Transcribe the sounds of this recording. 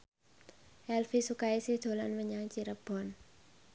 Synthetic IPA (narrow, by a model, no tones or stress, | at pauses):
ʔɛlfisukaisihd̪̥o̤lanwəɲaŋt͡ʃiɾəb̥ɔ̤n